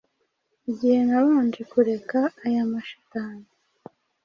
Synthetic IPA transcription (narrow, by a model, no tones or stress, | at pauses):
iɟihe̞naβaːnd͡ʒikuɾe̞kaːjamaʃḁtaːɲ